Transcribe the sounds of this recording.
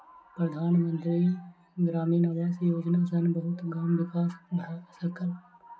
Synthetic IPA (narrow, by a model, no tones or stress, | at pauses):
pɾəd̪ʱaːnmə̃nt̪ɾiː | ɡɾaːmiːnaːʋɛːsjoːd͡ʒnaːsənbəɦʊt̪ɡaːmʋɪkaːssəkəl